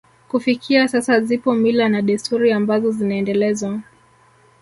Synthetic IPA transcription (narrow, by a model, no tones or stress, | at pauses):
kufikʰiasasazipɔmilanaɗɛstuɾiambazɔzinaɛndɛlɛzwa